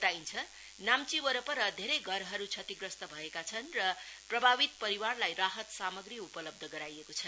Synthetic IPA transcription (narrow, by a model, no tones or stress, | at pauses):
t̪aint͡sʰʌ | namt͡siwʌɾʌpʌɾʌd̪ʱeɾʌjɡʱʌɾɦʌɾut͡sʰʌt̪iɡrʌst̪ʌbʱʌekat͡sʰʌnrʌprʌbʱabit̪̚pʌɾiwarlajraɦʌt̪samʌɡriupʌlʌb̚d̪ʱʌɡʌɾajekot͡sʰʌn